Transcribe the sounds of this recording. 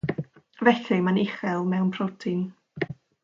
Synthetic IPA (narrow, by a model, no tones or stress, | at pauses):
vɛɬɪmanɪχɛlˠmɛwnpʰrɔtʰɪn